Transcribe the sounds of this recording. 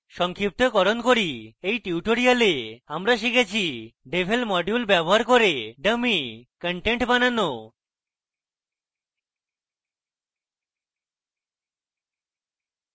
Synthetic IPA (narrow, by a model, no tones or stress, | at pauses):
ʃɔŋkʰip̚t̪okɔɾonkoɾiejʈiwʈoɾialeamɾaʃ̬ikʰet͡ɕʰiɖebʱelmɔɖjulbɛboɦaɾkoɾeɖəmikəɳʈeɳʈbanano